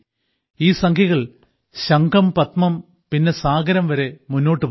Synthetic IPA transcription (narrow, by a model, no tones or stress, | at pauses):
iːsɐŋkʰjɐɣɐɭ | ɕɐŋɡɐmpɐt̪mɐm | pinːe̞saːɡɐɾɐmʋɐɾe̞munːo̞ːʈːɨp